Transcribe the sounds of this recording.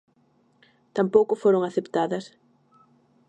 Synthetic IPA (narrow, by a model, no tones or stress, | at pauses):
t̪ampowkʊfoɾoŋaθept̪aðɐs